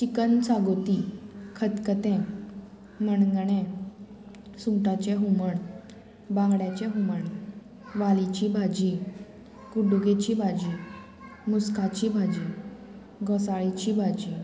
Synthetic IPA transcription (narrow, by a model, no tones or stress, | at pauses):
t͡ɕikənt͡saɡot̪ikʰət̪kət̪ɛ̃ | məɳɡɳẽ | sũʈat͡ɕɛɦuməɳ | bãŋɡɽjat͡ɕɛ̃ɦuməɳ | ʋalit͡ɕibʱad͡ʑi | kuɖuɡet͡ɕibʱad͡ʑi | muskat͡ɕibʱad͡ʑi | ɡəsaɭit͡ɕibʱad͡ʑi